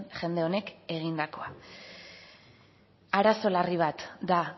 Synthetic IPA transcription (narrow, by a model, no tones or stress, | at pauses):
ʝe̞nd̪eo̞ne̞ke̞ɣ̞ind̪ako̞a | aɾaso̞lariβ̞at̪d̪a